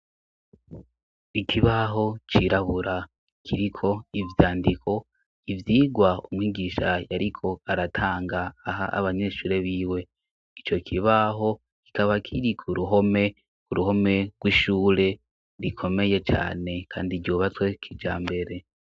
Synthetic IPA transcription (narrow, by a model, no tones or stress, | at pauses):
ikʰiβaɦo̞t͡ʃiɾaβuɾa | kʰiɾikʰo̞ivjaːndikʰo̞ | ivjiːɡwaumŋiːɡiːʃajaɾikʰo̞aɾatʰaːŋɡaːɦa̰a̰βaɲe̞ːʃuːɾe̞βiːwe̞ | it͡ʃo̞kʰiβaɦo̞ | ki̥kaβakʰiɾikʰuɾuɦo̞me̞ | kuɾuɦo̞me̞ɡ̥wiːʃuːɾe̞ | ɾikʰo̞me̞je̞t͡ʃa̰ːne̞kʰa̰ːndiɟuːβat͡swe̞kʰid͡ʒa̰ːmbe̞ɾe̞